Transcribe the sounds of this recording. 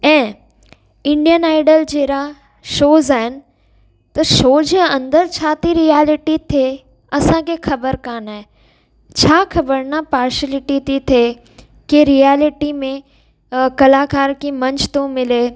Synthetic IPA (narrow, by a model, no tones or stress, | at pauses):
ɛ̃ː | ɪ̃ɳɖijənaːɪɖəld͡ʑeːɾa | ʃoːzaːɦɪnɪ̆ | t̪ɐʃoːd͡ʑeːɐ̃nd̪əɾt͡ɕʰaːt̪ʰiɾiaːlɪʈit̪ʰe | ɐsãkʰexʰɐbəɾkaːnaːɦe | t͡ɕʰaːxʰɐbəɾnapaːɾʃəlɪʈiʈit̪ʰeː | keɾijaːlɪʈimẽ | kɐlaːkaːɾkimɐ̃ɲt͡ɕt̪õmɪleː